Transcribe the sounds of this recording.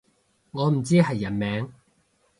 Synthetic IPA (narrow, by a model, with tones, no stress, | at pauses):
ŋɔː˨˧m̩˨˩t͡siː˥ɦɐ˨jːɐ˨˩nmɛː˨˧˥ŋ